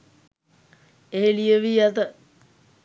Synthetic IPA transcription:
eelijəʋiat̪ə

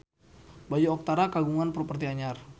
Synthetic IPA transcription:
bad͡ʒuɔk̚t̪aɾakaɡuŋanpɾɔpərt̪iaɲar

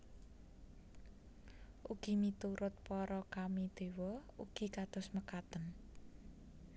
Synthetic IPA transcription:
ʔuɡ̥i̤mit̪uɾʊt̪̚pɔɾɔkamid̪̥ewɔuɡ̥i̤kat̪ʊ̤sməkat̪ən

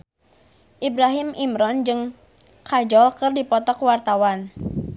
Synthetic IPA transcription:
ʔibɾaɦɪmimɾɔnd͡ʒɨŋ | kʰad͡ʒɔlkɨrdipɔt̪ɔkwart̪awan

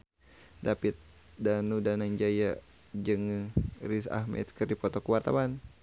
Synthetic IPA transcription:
dapit̪̚ | danudanaŋd͡ʒaja | d͡ʒɨŋrisa̰hmɛ̰t̪kɨrdipɔt̪ɔkuwart̪awan

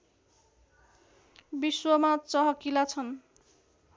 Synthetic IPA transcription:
biswʌmat͡sʌɦʌkilat͡sʰʌn

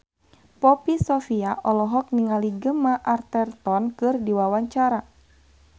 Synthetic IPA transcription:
pɔpisɔfiaʔɔlɔɦɔk̚niŋaliɡəmaʔart̪ɛrt̪ɔnkɨrdiwawaɲt͡ʃaɾa

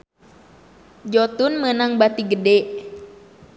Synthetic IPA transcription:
d͡ʒɔt̪unmənaŋbat̪iɡədɛʔ

